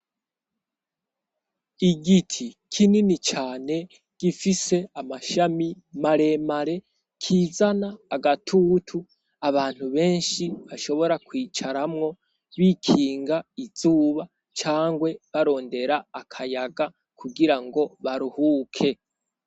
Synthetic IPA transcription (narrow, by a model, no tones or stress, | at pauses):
iɡitʰikʰininit͡ʃaːne̞ | ɡ̥ifise̞amaʃami | maɾe̞maɾe̞ | kʰiːzanaːɡatʰuːtʰu | aβaːn̥huβe̞ːnʃiβaʃo̞βo̞ɾakwiːt͡ʃaɾamŋo̞ | βikʰiːŋɡaiz̥uːβa | t͡ʃaːŋɡwe̞βaɾo̞ːnde̞ɾaːkʰajaɡa | kʰuɡiɾaŋɡo̞βaɾuhuːkʰe̞